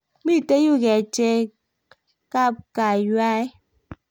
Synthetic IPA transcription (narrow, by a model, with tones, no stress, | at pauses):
mi˦˨te˦ju˦˨ɣɛ˨t͡ʃe˦ | ka˦˨p̚ka˨ja˦e˦